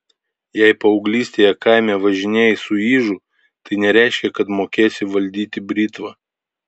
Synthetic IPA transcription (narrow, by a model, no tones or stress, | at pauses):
jɛɪpɐɔʊɡlʲiːsʲt̪ʲeːjɛkɑˑɪmʲɛʋɐʒʲɪnʲeːjɪsʊiːʒʊ | t̪ɐɪnʲɛɾʲæˑɪʃʲkʲɛkɐt̪moːkʲeːsʲɪʋɐlʲd̪ʲiːt̪ʲɪbʲɾʲiːt̪ʋɐ